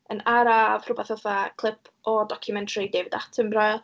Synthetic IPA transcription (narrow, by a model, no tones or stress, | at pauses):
ənaɾavrʊbaθɔθakʰlˠɪpʰ | ɔdɔkʰjumɛntʰridɛvdatʰəmrajlˠ